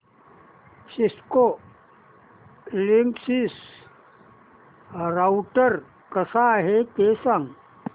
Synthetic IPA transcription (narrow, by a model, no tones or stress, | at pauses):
sisko | liŋsis | ɾawʈəɾ | kəsaɦekesaŋ